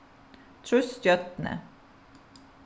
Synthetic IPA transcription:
t̪ʰɾʉst̪jœt̪nə̰

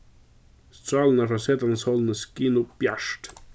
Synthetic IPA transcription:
stalnafasɛtanshɔlˠnəskinub̥jaʃt

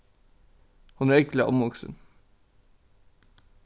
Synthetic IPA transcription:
hʊnæːɾɪklɪʔɔmʋʊksə̰n

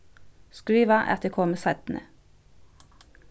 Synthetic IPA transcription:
skɹiːʋɑʔæ̰ʁt̪ʰekʰoːməsæt̪n̩ʔə̰

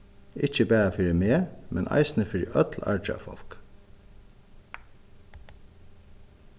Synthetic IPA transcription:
ɪc͡çəbæːɾɑfyɾəmeːmʔɛnʔɑ̰ɪsn̩əfyɾə̰ʔœt̪ʰl̩ɑ̰ɹt͡ʃəɑ̰ːfɔ̰lk

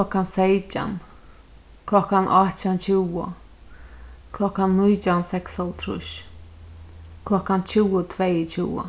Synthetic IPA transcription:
ɔkːansejt͡ʃa̰n | kʰlɔkːanʔat͡ɕant͡ɕʰuwə̰ | kʰlɔkːanːujt͡ʃansɛksɔlt̪ʰɾʊ̰ʃ | kʰlɔkːant͡ɕʰuət̪ʰvejt͡ɕʰuːwə̰

